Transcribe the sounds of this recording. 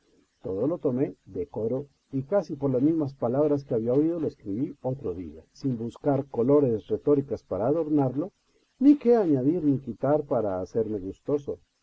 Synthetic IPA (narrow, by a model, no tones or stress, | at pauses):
t̪oðo̞lo̞t̪o̞me̞ðeko̞ɾo̞ | ikasipoɾlazmizmaspalaβɾas̬keaβiaoið̞o̞loeskɾiβio̞t̪ɾoðḭa̰simbuskaɾko̞lo̞ɾe̞sret̪o̞ɾikaspaɾaːðo̞ɾnaɾlo̞ | nike̞aɲaðiɾnikit̪aɾpaɾaːse̞ɾme̞ɣust̪o̞so̞